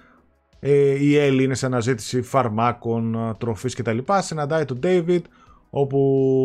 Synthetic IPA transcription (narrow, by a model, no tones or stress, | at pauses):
eieliine̞sɐnɐzit̪i̥sifɐɾmɐko̞nt̪ɾo̞fisce̞t̪ɐlipɐsinɐnd̪ɐit̪o̞d̪ejvid̪ | o̞pu